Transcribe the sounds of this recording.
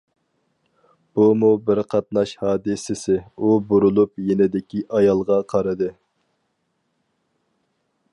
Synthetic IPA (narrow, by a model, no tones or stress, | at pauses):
b̥umubɪɾqʰɑt̪nɑʃhɑːd̪ɪsɪsɪubuɾulˠupjenɪd̪ɪkʲʰiʔɑjɑlˠʁɑqʰɑɾɨd̪ɨ